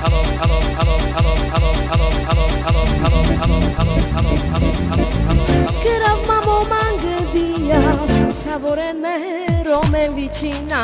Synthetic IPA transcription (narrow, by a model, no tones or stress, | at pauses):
keɾamamomaɡebijasavʊɾeneɦeɾomewit͡ʃina